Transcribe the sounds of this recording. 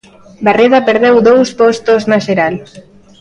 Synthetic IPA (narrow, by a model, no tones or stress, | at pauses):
bareðapeɾðewðowspɔst̪oznaʃeɾal